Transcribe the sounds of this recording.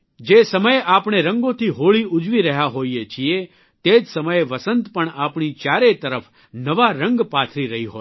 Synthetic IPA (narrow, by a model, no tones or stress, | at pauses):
d͡ʒesəməjʔapɳ̃eɾəŋɡõt̪ʰiɦoɭiʔud͡ʒʋiɾəɦjaɦoiet͡ʃʰie | t̪ed͡ʒsəməjʋəsənt̪pəɳapɳit͡ʃaɾet̪əɾəf | nəʋaɾə̃ŋɡpat̪ʰɾiɾəɦiɦoj